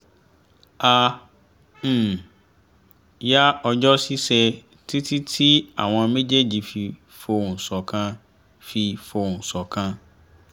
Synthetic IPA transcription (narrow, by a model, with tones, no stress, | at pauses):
a˨ | m̩˦˨ | ja˦ɔ˨d͡ʑɔ˦si˦sɛ˦ | tʰi˦tʰi˦tʰi˦a̰˨wã˨mẽ˦d͡ʑɛ˦d͡ʑi˨fi˨ | fo˨n̩˨sɔ˨kʰã˦ | fi˨fo˨n̩˨sɔ˨kʰã˦